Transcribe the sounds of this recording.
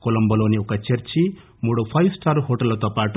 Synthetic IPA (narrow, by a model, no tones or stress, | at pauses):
kolɐmbɐloːniɔkɐt͡ʃeɾt͡ʃi | muːɽopʰɐjwsʈaɾhoːʈɐlːɐt̪ɔpaːʈu